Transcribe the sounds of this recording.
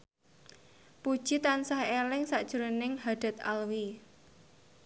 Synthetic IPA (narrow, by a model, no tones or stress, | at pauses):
pud̥ʒ̥it̪ansahelɪŋsaʔd̥ʒ̥əɾənɪŋhad̥a̤t̪a̰lwi